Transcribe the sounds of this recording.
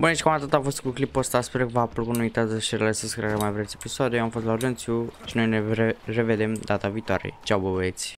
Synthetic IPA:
bunet͡ʃʲkamat̪ot̪afo̞st̪kuklipost̪aspeɾkəvapɾokunumit̪at̪eʃeɾelaseskɾiaɾamajvɾesʲe̞pisoad̪eamfost̪lauɾd͡ʒ̪ent̪sʲuʃino̞jneere̞ved̪e̞md̪at̪aviːt̪oaɾḛt͡ʃawbəbet̪sʲ

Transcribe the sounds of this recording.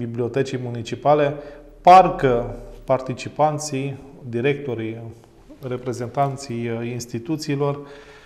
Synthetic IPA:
biblio̞t̪et͡ʃijmunit͡ʃipale̞ | parkəpart̪it͡ʃipant̪sijd̪iɾe̞k̚t̪o̞ɾij | re̞pɾe̞ze̞nt̪ant̪sijinst̪it̪ut̪siːlo̞r

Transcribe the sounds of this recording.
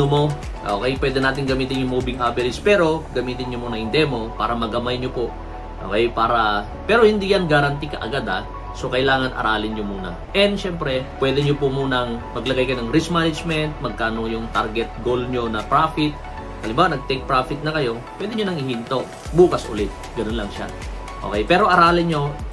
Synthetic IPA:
omo̞ | ʔo̰ːkɛjpwɛd̪ɛnaːt̪ɪŋɡɐmiːt̪ɪnjʊŋmubɪŋʔabɪɾɪspɛːɾo̞ɡɐmiːt̪ɪnɲomunɐŋhɪnd̪ɛmo̞paːɾɐmɐɡɐmajɲopo | ʔo̰kɛjpaːɾɐ | pɛːɾo̞hɪnd̪ijɐnɡaɾɐnt̪ikɐ̰ʔɐ̰ɡad̪ɐ | so̞kɐjlaːŋɐnʔɐ̰ɾaːlɪnɲomuːnɐ̰ | ʔɛnd̪ʃɛmpɾɛpwɛːd̪ɛɲopʊmuːnɐŋmɐɡlɐɡajkɐjonɐŋɾismanɪd͡ʒmɛnt̪̚mɐɡ̚kaːno̞jʊŋt̪aɾɡɛt̪̚ɡolɲo̞nɐpɾaːfɪt̪̚ | ʔɐlɪmbaːwɐnɐɡ̚t̪ɛk̚pɾaːfɪt̪̚nɐkɐjo̞ | pwɛd̪ɪɲonɐŋɪhint̪o̞ | buːkɐsʔʊ̰lɪt̪̚ɡɐnonlɐŋʃa̰ | ʔo̰kɛjpɛːɾo̞ʔɐɾaːlɪnɲo̞

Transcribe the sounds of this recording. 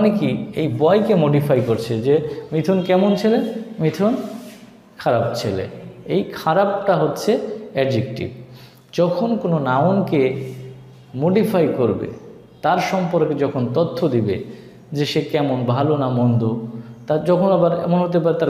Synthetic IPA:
ɔnekiejbɔjkemoɖifʰajkoɾt͡ɕʰed͡ʑemit̪ʰonkɛmont͡ɕʰelemit̪ʰon | kʰaɾab̚t͡ɕʰelḛejkʰaɾab̚ʈaɦotːɕʰeɛɖd͡ʑek̚ʈḭb | d͡ʑɔkʰonkononaonke | moɖifajkoɾbḛ | t̪aɾʃɔmpoɾked͡ʑɔkʰont̪ot̪ʰːod̪ibḛ | d͡ʑeʃekɛmonbʱalonamɔnd̪ot̪ad͡ʑɔkʰonabaɾɛ̰monɦot̪̬epaɾet̪aɾ

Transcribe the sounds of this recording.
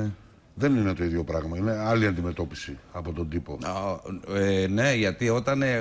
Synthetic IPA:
ðe̞nine̞t̪o̞iðʝjo̞pɾɐɣmɐine̞ɐliɐnd̪ime̞t̪o̞pi̥siɐpo̞t̪o̞nd̪ipo | ene̞ʝɐt̪io̞t̪ɐne

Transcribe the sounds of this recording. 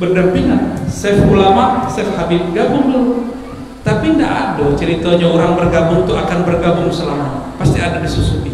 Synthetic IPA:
bərdapinasɛfulamaʔsɛfhabit̪̚ɡabʊŋdulu | t̪apinda̰ʔa̰dot͡ʃəɾit̪aɲaoɾaŋbərɡabʊŋt̪uakanbərɡabʊŋsəlamaɲapast̪iadadisusuki

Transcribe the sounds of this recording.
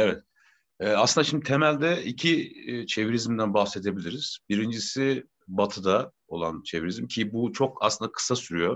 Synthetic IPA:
evɛt̪ | ɛːaslɯnd̪aʃimd̪it̪ʰemælʲd̪ɛicʰit͡ʃʰe̞viɾizmd̪ænbaxse̞d̪e̞bilʲiɾiz̥biɾind͡ʒisi | bat̪ʰɯd̪a | o̞lˠant͡ʃʰe̞viɾizimcʰibut͡ʃʰo̞ka̰slɯnd̪akʰɯ̥sasyɾyjo

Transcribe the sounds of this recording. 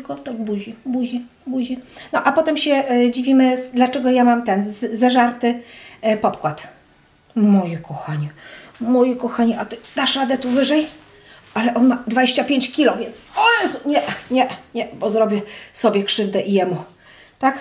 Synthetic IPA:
kɔt̪ɔbuʑibuʑi | buʑinɔʔapɔt̪ɛmɕɛd͡ʑivʲimɘd̪lat͡ʂɛɡɔjamamt̪ɛnzzɛʐaɾt̪ɘpɔt̪kwat̪ | mɔjɛkʰɔxaɲɛmɔjɛkɔxaɲɛʔat̪ɔd̪aʂad̪ɛt̪uvɘʐɛj | ʔalɛʔɔnmad̪vad͡ʑeɕt͡ɕapʲjeɲt͡ɕkʲilɔvʲjɛnt̪sɔɛsɲɛɲɛɲɛbɔzɾɔbʲjɛsɔbʲjɛkʂɘvd̪ɛʔijɛmu | t̪ak

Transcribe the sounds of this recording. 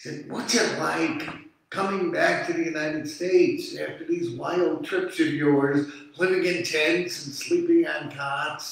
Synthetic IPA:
sɛd̚wʌtsɨtla̰ɪkʰ | ʌmɪ̃ŋbæk̚tʰɨðɨjʉnaɪɾɨd̥steɪtsæftə˞ðizwaɪlˠd̚tʰɹ̥ɪpsʌvjɔɹz | lɪvɪ̃ŋɨ̃ntʰɛ̃nsɨ̃n̩slipɪ̃ŋɨ̃ntʰɑts

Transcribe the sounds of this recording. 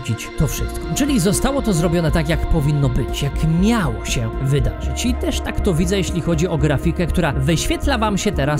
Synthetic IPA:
d͡ʑit͡ɕt̪ɔfʂɘ̰stt̪kɔ̥t͡ʂɘlʲizɔst̪awɔt̪ɔzɾɔbʲjɔnɛt̪akʲjakpɔvʲinːɔbɘt͡ɕjakmʲjawɕɛvɘd̪a̰ʐɘt͡ɕit̪ɛʂt̪akt̪ɔvʲid̪zɛjeɕlʲixɔd͡ʑiɔɡɾafʲikɛkt̪uɾavɘɕfʲjɛt̪lavamɕɛt̪ɛɾas

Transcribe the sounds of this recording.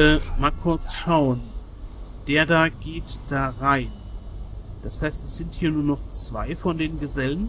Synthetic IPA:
əmaːlkʰʊɐt͡sʃaʊən | d̥eːɐdaːɡeːtd̥aːʁaɪn | d̥ashaɪstɛsz̥ɪnthiːɐnuːɐnɔχt͡sv̥aɪfɔndeːnɡəzɛlən

